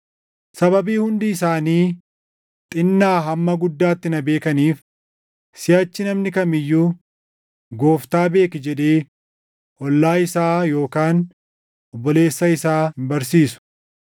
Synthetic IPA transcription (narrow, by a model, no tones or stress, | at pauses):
sɐbɐbiːhʊnd̪iːsaːniː | t̪ʼɪnːaːɦɐmːɐɡʊd̪ːaːt̪ːɪnɐbe̞ːkɐniːf | sɪɐt͡ʃːɪnɐmnɪkɐmɪjːuː | ɡo̞ːft̪aːbe̞ːkɪd͡ʒɛd̪eː | ʔɔlːaːɪsaːjo̞ːkaːn | ɔbːɔle̞ːsːɐɪsaːɪmbɐɾsiːsʊ̥